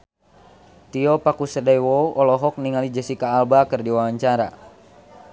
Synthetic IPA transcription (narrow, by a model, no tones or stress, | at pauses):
t̪iɔpakusədɛjwɔɔlɔɦɔk̚niŋalid͡ʒəsikaːlbakɨrdiwawaɲt͡ʃaɾa̰